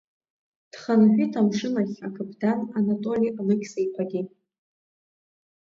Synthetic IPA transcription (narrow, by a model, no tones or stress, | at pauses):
d̥χanaħʷᶣitʰamʂɨnaχʲakʰapʰʼdananatʼolialɨkʲsejqʷʰaɡʲi